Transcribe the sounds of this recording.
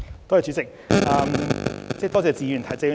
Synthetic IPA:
t̪ɔ˥˨˩t͡ʃy˨˧˥t͡sɪ˨k̚ʔɐː˧mt͡sɛ˥˧t̪ɔː˥t͡sɛː˨˧t͡siː˧jyː˨˩nt̪ʰɐ˨˥t͡sɛː˧jy˨

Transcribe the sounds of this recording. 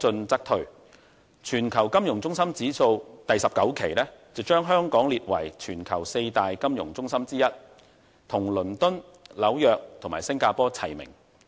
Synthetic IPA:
t͡sɵ˧nt͡sɐ˥k̚t̪ʰɵ˨˩ɥ | t͡ʃʰyː˨˩nkʰɐ˨˩wkɐ˥mjʊ˨˩ŋt͡sʊ˥ŋsɐ˥mt͡siː˨˥so˧wt̪ɐ˨jsɐ˨p̚kɐ˨˥wkʰe˨˩jlɛː˥t͡sɐ˨wt͡ʃœː˥ŋɦœː˥ŋkɔː˨˥ŋliː˨t̚wɐ̰˨˩jt͡ʃʰyː˨˩nkʰɐ˨˩wse˧jt̪aː˨jkɐ˥mjʊ˨˩ŋt͡sʊ˥ŋsɐ˥mt͡siː˥jɐ˥t̚ | t̪ʰʊ˨˩ŋlɵ˨˩nt̪ʊ˥n | lɐ˨˥wjœː˨k̚tt̪ʰʊ˨˩ŋmaː˨˩jsɪ˥ŋkaː˧pɔː˥t͡sʰɐ˨˩jmɪ̰˨˩ŋ

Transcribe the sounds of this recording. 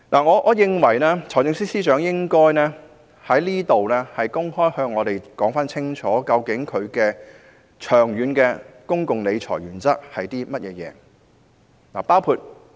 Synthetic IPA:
naː˨˩ŋɔː˨˧ʔɔː˨˧jɪ˨ŋwɐ˨˩jlɛː˥t͡sʰɔː˨˩jt͡sɪ˧ŋsiː˥siː˥t͡ʃœː˨˥ŋjɪ˥ŋkɔː˥jnɛː˥ | hɐ˨˥jliː˥t̪o˨wlɛː˥hɐ˨jkʊ˥ŋhɔː˥jhœː˧ŋːɔː˨˧ɾe˨˩jkɔː˨˥ŋfaː˥nt͡sʰɪ˥ŋt͡ʃʰɔː˨˥kɐ˧wkɪ˨˥ŋkʰɵ˨˧ɥkɛː˧ | t͡ʃʰœː˨˩ŋjyː˨˧nkɛː˧kʊ˥ŋkʊ˨ŋle˨˧jt͡ʃʰɔ̰ː˨˩jɥyː˨˩nt͡sɐ˥t̚hɐ˨jt̪iː˥mɐ˥t̚jʔɛː˨˧jɛ̰ː˨˧ | naː˨˩paː˥wkʰu˧t̚

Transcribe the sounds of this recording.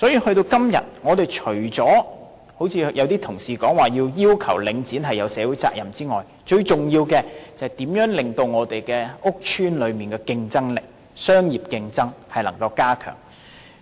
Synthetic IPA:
sɔ˨˥jiː˧hɵ˧ɥt̪o˧wkɐ˥mjɐ̰˨˩t̚ŋɔː˨˧t̪e˨jt͡ʃʰɵ˨˩ɥt͡sɔː˨˥ | ho˨˥wt͡sʰiː˧jɐ˨˧wt̪iː˥t̪ʰʊ˨˩ŋsiː˨kɔː˨˥ŋwaː˨˩jiː˧wjiː˥wkʰɐ˨˩wlɪ˨˧ŋt͡siː˨˥nɦɐ˨jːɐ˨˧wsɛː˨˧˥wuː˨˥jt͡sa̰ː˧k̚jɐ˨˩mt͡siː˥ŋɔː˨j | t͡ʃɵ˧ɥt͡sʊ˨˩ŋjiː˧wkɛː˧t͡sɐ˨hɐ˨˩jt̪iː˨˥mjœː˨˥ŋlɪ˨˩ŋt̪o˧wŋɔː˨˧t̪e˨jkɛː˧ʊ˥k̚t͡ʃʰyː˥nlɵ˨˧ɥmiː˨˩nkɛː˧kɪ˧ŋt͡sɐ˥ŋlɪ˨k̚ | sœː˥ŋjiː˨p̚kɪ˧ŋt͡sɐ˥ŋhɐ˨jlɐ˨˩ŋkɐ˧wkaː˥kʰœ̰ː˨˩ŋ

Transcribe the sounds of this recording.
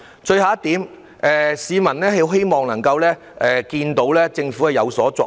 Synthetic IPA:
t͡ʃɵ˧ɥhaː˨˧˥t̪iː˨˥m | ʔɛː˨siː˨˧mɐ˨˩nlɛː˥ɦe˨˧˥wɦe˥jmɔː˨ŋnɐ˨˩ŋkɐ˧wlɛː˥ | ʔɛː˨kiː˧nt̪o˨˥wlɛː˥t͡sɪ˧ŋfu˨˥hɐ˨jɐ˨˧wsɔː˨˥t͡sɔ̰ː˨

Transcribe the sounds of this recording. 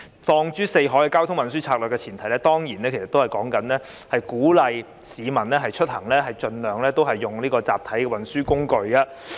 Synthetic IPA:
fɔː˧ŋt͡ʃyː˥se˧jɦɔː˨˥jkɛ˧kaː˥wt̪ʰʊ˥ŋwɐ˨nsyː˥t͡sʰaː˧k̚lœː˨kːɛː˧t͡sʰiː˨˩nt̪ʰɐ˨˩jlɛː˥t̪ɔː˥ŋjiː˨˩nɛ˥kʰsɐ˨t̪ːo˥ɐ˨jkɔː˨˥ŋkɐ˨˥nlɛː˥ | hɐ˨jkuː˨˥lɐ˨˧j | siː˨˧mɐ˨˩nlɛː˥ɦɐ˨jt͡ʃʰɵ˥t̚hɐ˨˩ŋlɛː˥ɦɐ˨jt͡ʃɵ˧nlœː˨ŋlɛː˥t̪o˥wɦɐ˨jːʊ˨ŋliː˥kɔː˧t͡saː˨p̚t̪ʰɐ˨˥jkɛ˧wɐ˨˩nsyː˥kʊ˥ŋkɵ˧ɥkɐ˨˧

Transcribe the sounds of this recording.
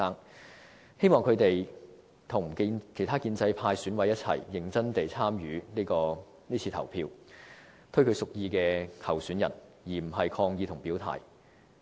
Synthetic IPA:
aː˥ŋ | he˥jmɔː˨ŋkʰɵ˨˧ɥt̪e˨j | t̪ʰʊ˨˩ŋ˨˩˧kʰe˨˩jt̪ʰaː˥kiː˧nt͡sɐ˧jpʰaː˧jsyː˨˥nwɐ˨˧jɐ˥t̚t͡sʰɐ̰˨˩jːɪ˨˩ŋt͡sɐ˥nt̪e˨jt͡sʰaː˥mjyː˨˧˦niː˥kɔː˧ | niː˥t͡sʰiː˧t̪ʰɐ˨˩wpʰiː˧w | t̪ʰɵ˥ɥkʰɵ˨˧sʊ˨k̚jiː˧kɛː˧k̪ʰɐ˨˩wsyː˨˥njɐ˨˩n | jiː˨˩m̩˨˩ɦɐ˨jkʰɔː˧ŋjiː˨˧t̪ʰʊ˨˩ŋpiː˨˥wt̪ʰa̰ː˨˩j

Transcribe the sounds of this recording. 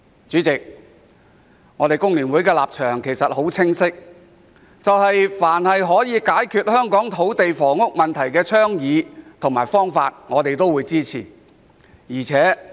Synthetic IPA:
t͡syː˨˥t͡sɪ˨k̚ | ŋɔː˨˧ɾe˨jkʊ˥ŋliː˨˩nwuː˨˥jkɛː˧la̰ː˨p̚t͡ʃʰœː˨˩ŋkʰe˨˩jsɐ˨t̚ho˨˥wt͡sʰɪ˥ŋsɪ˥k̚ | t͡sɐ˨whɐ˨jfaː˨˩nhɐ˨jɦɔː˨˥jiː˨˧kaː˨˥jkʰyː˧t̚hœː˥ŋkɔː˨˥ŋt̪ʰo˨˥wt̪e˨jfɔː˨˩ŋʊ˥k̚mɐ˨nt̪ʰɐ˨˩jkɛː˧t͡sʰœː˥ŋjiː˨˧t̪ʰʊ˨˩ŋmaː˨˩jfɔː˥ŋfa̰ː˧t̚ŋɔː˨˧t̪e˨jt̪o˥wuː˨˧jt͡siː˥t͡sʰḭː˨˩ | jiː˨˩t͡sʰɛː˨˥

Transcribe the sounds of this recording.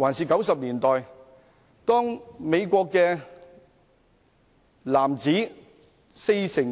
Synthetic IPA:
waː˨˩nsiː˨kɐ˨˥wsɐ˨p̚liː˨˩nt̪ɔː˨j | t̪ɔː˥ŋme˨˧jkʷɔː˧kːɛː˧ | laː˨˩mt͡siː˨˥ | se˧jsɪ˨˩ŋ

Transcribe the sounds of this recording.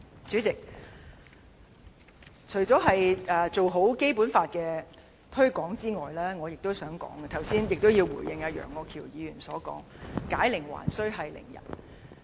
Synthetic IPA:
t͡syː˨˥t͡sɪ˨k̚ | t͡ʃʰɵ˨˩ɥt͡sɔː˨˥ɦɐ˨jɛː˨˩t͡so˨wɦo˨˥wke˥jpuː˨˥nfaː˧t̚kɛː˧ | t̪ʰɵ˥ɥkɔː˨˥ŋt͡siː˥ŋɔː˨jlɛː˥ŋɔː˨˧jɪ˨k̚t̪o˥wsœː˨˥ŋkɔ̰ː˨˥ŋɡɛ˨t̪ʰɐ˨˩wsiː˥njɪ˨k̚t̪o˥wjiː˧wwuː˨˩jɪ˨ŋjɐ˧t̚jœ̰ː˨˩ŋːɔː˨˧kʰiː˨˩wjiː˨˧ɥyː˨˩nsɔː˨˥kɔ̰ː˨˥ŋkaː˨˥jlɪ˨˩ŋwa̰ː˨˩nsɵ˥ɥɦɐ˨jlɪ̰˨˩ŋjɐ̰˨˩n

